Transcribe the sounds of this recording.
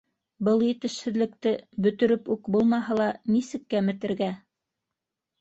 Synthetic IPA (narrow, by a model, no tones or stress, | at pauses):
bɤlˠjɘ̆t̪ɘ̆ʃhɘ̆ðlɘ̆k̚t̪ɘbɵ̆t̪ɵ̆ɾɘpʉkbulˠmɑɦɤlˠɑnisɘ̆kːæmɘ̆t̪ɘ̆ɾɡæ